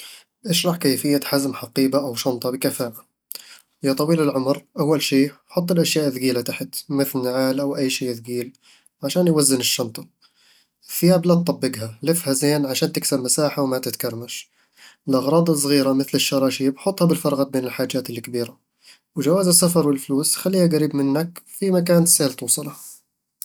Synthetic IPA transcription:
ʔaʃɾˤɑħkeːfɪjːaħazmħɑqiːbaʔawʃɑnt̪ˤɑbɪkafaːʔa | jat̪ˤɑwiːlɪlʕʊmɾʔawːalʃiːħʊt̪ˤːɪlʔaʃjaːʔðɡiːlat̪aħt̪mɪθlnaʕaːlʔawʔajːʃiːʔðɡiːl | ʕaʃaːnjwazːɪnɪʃːɑnt̪ˤɑ̥ | ɪθːɪjaːblat̪̚t̪ˤːɑbːɪɡhalɪfhazeːnʕaʃaːnt̪ɪksabmasaːħawmat̪ɪt̪kɑɾˤmaʃ | əlʔɑɣɾˤɑːd̪ˤɑsˤɣiːɾamɪθləʃːɑɾˤɑːʃibħʊt̪ˤːhabɪlfɑɾˤɣɑbeːnəlħaːd͡ʒːaːt̪əlkbiːɾa | wʒawaːzəsːafɑɾˤwəlfluːsxalːiːhaɡæɾiːbmɪnːakfimakaːnsːahlt̪uːsˤɑlah

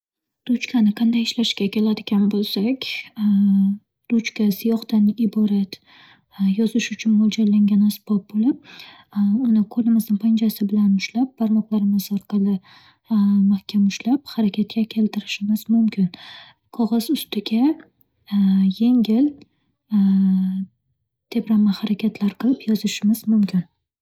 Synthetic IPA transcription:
d̪̥ʊt͡ʃkʰʲanɪqʰɑnd̪ajɪʃlaʃkʲakʲʰe̞lad̪ɪɡʲanbolˠsakʲ | d̪̥ʊt͡ʃkʲasɪjɒχt̪anɪbɒɾat̪ | jɒzɪʃʊt͡ʃʰʊnmɒlˠd͡ʒaɾlaŋɡʲanasbɒb̚bolɪp̚ | ʊnɪqʰolɪmɪznɪŋpʰand͡ʒasɪbɪlanʊʃlap̚b̥aɾmɒqlˠaɾɪmɪzɒɾqʰɑlˠɪ | mahkʲʰamʊʃlap̚haɾakʲʰat̪̚kʲakʲʰe̞lt̪ʰɪɾɪʃɪmɪzmʊmkʲʰɪn | qʰɒʁɑzʊst̪ɪɡʲa | je̞ŋʲɪl | t̪ʰe̞pɾamahaɾakʲʰat̪ʰlaɾqʰɨlˠɪpjɒzɪʃɪmɪzmʊmkʲʰɪn

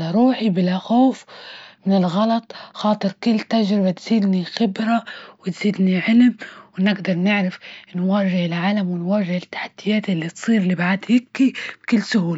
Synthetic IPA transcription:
laɾˤuːħibɪlaxoːfmɪnɪlɣɑlɑt̪ˤxɑːt̪ˤɨɾkɪlːt̪aʒɾɪbat̪z̥iːd̪nixɪbɾawɪt̪z̥iːd̪niʕɪlmwnɪɡd̪ɑɾˤnɪʕɾafnwaːʒɪʕɪlʕaːlamwɪnwaːʒɪhɪt̪ːḁħḁd̪̥ːɪjaːt̪ʔɪlːit̪sˤiːɾlibaʕad̪hɪkːib̥kɪlːsʊhuːla

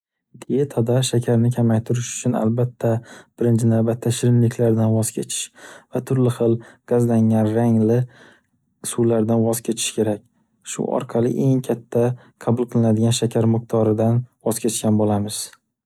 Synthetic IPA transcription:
d̪ejat̪ʰɒd̪aʃakʲʰaɾnɪkʲʰamajt̪ʰʊɾɪʃʊ̥t͡ʃʰʊna̰lbat̪ʰːab̥ɪɾɪnt͡ʃʰɪnawbat̪ʰːaʃɪɾɪnlɪkʲʰlaɾd̪anvɒz̥kʲʰe̞t͡ʃʰɪ̥ʃvat̪ʰʊɾlɪχɨlˠɡ̥azlaŋanɾaŋlɪ | sulaɾd̪anvɒz̥kʲʰe̞t͡ʃʰɪ̥ʃkʲʰe̞ɾak̚ʲ | ʃʊ̰ɒ̰ɾqʰɑlˠɪ̰ʔe̞ŋkʲʰat̪ʰːa | qʰɑbʊlˠqʰɨlˠɪnad̪ɪɡʲanʃakʲʰaɾmʊq̚t̪ʰɒɾɪd̪anvɒz̥kʲʰe̞t͡ʃkʲanbolamɪz̥

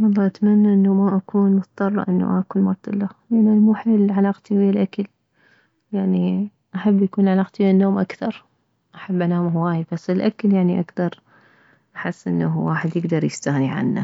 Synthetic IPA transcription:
wɑlˤːɑːʔat̪manːaʔɪnːamaʔakuːnmʊt̪t̪ˤːɑrˤːɑ̰ʔɪnːa̰ʔakʊnmat̪ˤːɨlːalʔanːamuːħeːlʕalaːqt̪iwɪːalʔakal | jaʕni | ʔaħabːjakuːnʕalaːqt̪inːoːmʔakθɑɾˤ | ʔaħabːʔanaːmɦwaːjbasːɪlʔakaljaʕniʔaɡθɑɾˤ | ʔaħɪsːʔɪ̰nːawaːħɪd̪jɪɡd̪ɑɾˤjɪst̪aːniʕa̰nːa̰

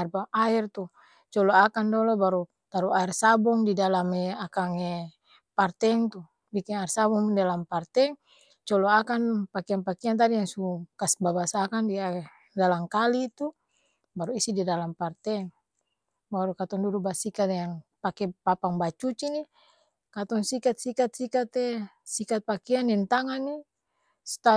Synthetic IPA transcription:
rbaʔaɛrt̪u | t͡ʃɔlɔakandɔlɔbaɾu | t̪aɾuaɛrsabɔŋdidalamɛakaŋɛ | part̪ɛŋt̪u | bikiŋaɛrsabɔŋdalampart̪ɛŋ | t͡ʃɔlɔakanpakianpakiant̪̬adijaŋsukasbabasakandia | dalamkalit̪u | baɾuisididalampart̪ɛŋ | baɾukat̪ɔŋduɾubasikat̪jaŋpakɛpapaŋbat͡ʃut͡ʃini | kat̪ɔŋsikat̪̚sikat̪̚sikat̪ɛsikat̪̚pakɛanɛnt̪aŋanːi | st̪a

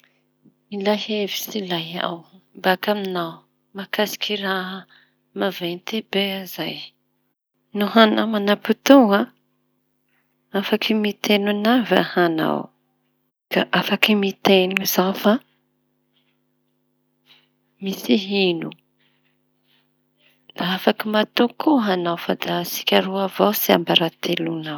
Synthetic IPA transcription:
ilaɦevi̥silaja̰wmbakaminaw | makasi̥kʰiraɦə | mavent̪ebeazaj | nuɦanamanaput̪ua | afakʰimit̪enunava̰hana̰w | ka̰ʔafakimit̪enuzafa | misiɦinu | d̪̥aafakimat̪ukʰuɦanawfad̪asi̥kʲaɾuavawsiambaɾat̪ʰelunaw

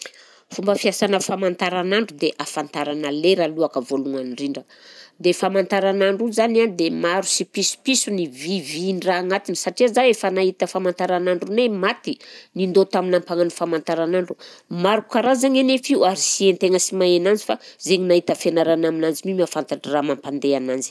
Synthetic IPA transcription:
fumbəfiasanəfamant̪aɾanaɳɖ͡ʐud̪eʔafant̪aɾanəleɾaluakəvoluŋaniɳɖ͡ʐiɳɖ͡ʐə | d̪efamant̪aɾanaɳɖ͡ʐuzanand̪emaɾusipisu̥pisuniviviniraːŋat̪inisaʈ͡ʂiəzaefənahit̪əfamant̪aɾanaɳɖ͡ʐunemat̪inind̪ot̪aminampaŋanfamant̪aɾanaɳɖ͡ʐumaɾuku̥kaɾazaŋenefiuaɾisient̪eŋəsimaenand͡zifazeɲinait̪əfenaɾanaminand͡zimimafant̪aʈ͡ʂiramampand̪eanand͡zi̥

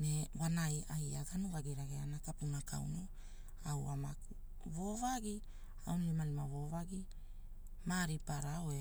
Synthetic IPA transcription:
newanajajaɡanuɡaɡiɾaɡeanakapunakʰa̰w̰no | awa̰maku | vovaɡi | a̰wnlimalimavo̞vaɡi | maɾipaɾaoe

